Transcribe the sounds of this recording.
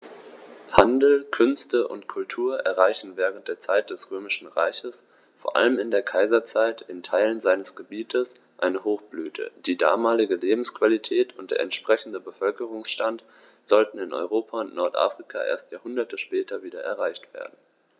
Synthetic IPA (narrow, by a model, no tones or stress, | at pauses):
handl̩kʰʏnstəʔʊ̰ntkʰʊltʰuːɐʔɛɐʁaɪçn̩vɛːʁ̞ənt̚d̥eːɐt͡saɪt̚d̥ɛsʁøːmɪʃn̩ʁa̰ɪçəs | foːɐʔa̰ləmɪndeːɐkʰaɪzɐt͡saɪtɪntʰaɪlənzaɪnəsɡ̥əbiːtʰəs | ʔaɪnəhoːxb̥lyːtʰə̰d̥iːda̰ːmaːlɪɡəleːbm̩skv̥alitʰɛːtʰʊnt̚d̥ḛːɐɛntʃpʁ̥ɛçn̩dəbəfœlkəʁ̞ʊŋsʃtant | z̥ɔltn̩ɪnʔɔ̰ʏʁoːpʰaʊntnɔɐtʔa̰ːfʁ̥ikʰa̰ʔḛːɐstjaːhʊndɐtʰəʃpɛːtʰɐviːdɐʔɛ̰ɐʁaɪçtv̥ḛːɐdn̩